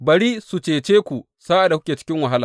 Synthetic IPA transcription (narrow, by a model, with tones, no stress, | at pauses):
bɐ˨ɽiː˦su˨t͡ʃeː˨t͡ʃeː˦kʷu˨ | saː˦ʔa˨da˨kʷʊ˦kʲeː˨t͡ʃɪ̥˦kʲɪ˦ŋwa˨ɦa˦la̰ː˨